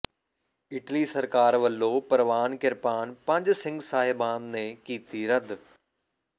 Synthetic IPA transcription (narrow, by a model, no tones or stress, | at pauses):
ɪʈlisɐɾkaːɾʋɐlːopɐɾʋaːnkɪɾpaːnpɐ̃ɲd͡ʑsɪ̃ŋɡsaːɦɪbãːnd̪nẽkiːt̪iɾɐd̪ʱ